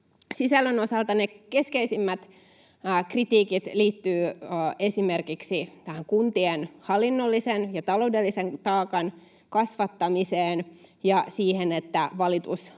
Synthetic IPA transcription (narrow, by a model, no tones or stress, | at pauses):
sisælːøno̞sɑlt̪ɑnekeskeisimːæt̪ː | krit̪iːkit̪liːt̪ːyːe̞simerkiksit̪æhæŋkunt̪ienhɑlːˑinːolːisenjɑt̪ɑloudelːiseŋt̪ɑːkɑn | kɑsʋɑt̪ːɑmiseːnjɑsiːhenet̪ːæʋɑlit̪us